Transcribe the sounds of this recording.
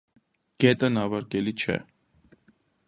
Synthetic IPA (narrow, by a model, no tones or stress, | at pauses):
ɡ̥ɛt̪ʼənɑvɑɾkɛlit͡ʃʰɛ̰